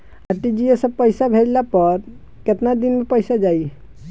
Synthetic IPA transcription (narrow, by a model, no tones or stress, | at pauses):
aʈid͡ʒiesə̃pəɪsabʱeɾlapəɾ | ket̪nad̪inmepəjsad͡ʒaj